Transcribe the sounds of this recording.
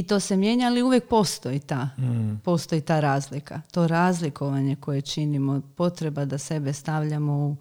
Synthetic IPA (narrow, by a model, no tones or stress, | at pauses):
it̪o̞ːse̞mje̞ɲaaliuʋjek̚po̞st̪o̞it̪aːpo̞st̪o̞jit̪aːɾaːzlikʰat̪o̞ɾaːzliko̞ʋaɲe̞ko̞je̞t͡ʃinimopo̞t̪ɾe̞bad̪ase̞be̞st̪aʋʎamo̞u